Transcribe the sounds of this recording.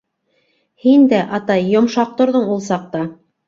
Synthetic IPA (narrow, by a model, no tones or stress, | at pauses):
hind̪æʔɑt̪ɑjːŏmʃɑq̚t̪ŏɾðɤɴulˠsɑq̚t̪ɑ